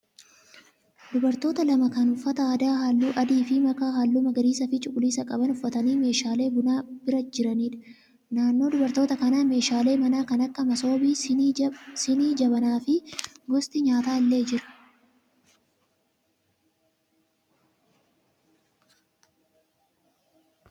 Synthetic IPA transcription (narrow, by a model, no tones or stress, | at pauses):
d̪̥ʊbɐɾt̪o̞ːt̪ɐlɐmɐkɐnʊfːɐt̪ɐaːd̪aːɦaːlːuːʔɐd̪iːfɪmɐkaːɦaːlːuːmɐɡɐɾiːsɐfɪt͡ʃʼʊkʼʊliːsɐkʼɐbɐnʊfːɐt̪ɐniːme̞ːʃaːle̞ːbʊnaːb̥ɪɾɐd͡ʒɪɾɐniːᶑ̪ɐ̥ | naːnːo̞ːd̪ʊbɐɾt̪oːt̪ɐkɐnaːme̞ːʃaːleːmɐnaːkɐnɐkːɐmɐso̞ːbiː | sɪniːd͡ʒɐbɐnaːfɪɡɔst̪ʼɪɲaːt̪aːɪlːe̞ːd͡ʒɪɾɐ̥